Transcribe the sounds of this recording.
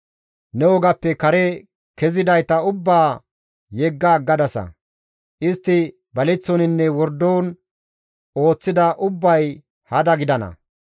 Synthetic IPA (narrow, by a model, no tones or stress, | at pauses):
nɛwɔɡɐpːɛkɐɾɛ | kɛzɪd̪ɐjt̪ɐʊbːaː | jɛɡːaːɡːɐd̪ɐsɐ̰ | ʔɪst̪ːɪ | bɐlɛt͡sːɔnɪnːɛwɔɾd̪oːn | o̞ːt͡sːɪd̪ɐʔʊbːɐj | hɐd̪ɐɡɪd̪ɐnɐ̰